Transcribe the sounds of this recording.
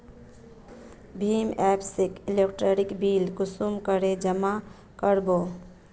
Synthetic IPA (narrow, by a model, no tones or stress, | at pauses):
bʱiːmɛːpsikilekʈɾoɾikbilkʊsumkəɾed͡ʒəma | kəɾbo